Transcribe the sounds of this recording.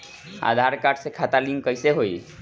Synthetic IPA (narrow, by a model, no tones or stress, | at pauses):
a̰d̪ʱaɾkaɖsẽkʰat̪alimkəjseɦoij